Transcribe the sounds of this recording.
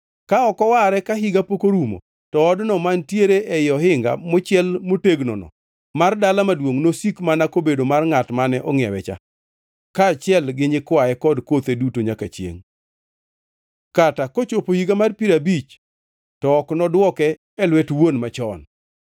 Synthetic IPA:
kaɔkɔwaɾɛkaɦiɡapokoɾumo̰ | tɔɔdnɔmantjeɾeʔɛjɔhɪŋɡa̰mot͡ʃɪɛlmoteɡnɔ̰nɔ̰ | mardalamadwoŋnosikmanakobedomarŋatmanɛʔɔŋɪɛ̰wɛt͡ʃa̰ | kaːt͡ʃɪɛlɡɪɲɪkwaɛkɔdkot̪edutoɲakat͡ʃjḛŋ | katakot͡ʃopohiɡamarpiɾabit͡ʃ | tɔɔknɔdwɔkɛː | lwɛtwonmat͡ʃɔn

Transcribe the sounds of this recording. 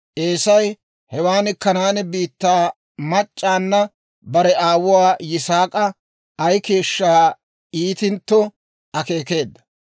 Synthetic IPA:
ʔe̞ːsɐj | hɛwaːnɪkːɐnaːnɪbiːt̪ːaː | mɐt͡ʃʼːaːnːɐ | bɐɾɛaːwʊwaːjɪsaːkʼɐ | ɐjke̞ːʃːaː | iːt̪ɪnt̪ːɔ | ɐke̞ːke̞ːd̪ːɐ̥

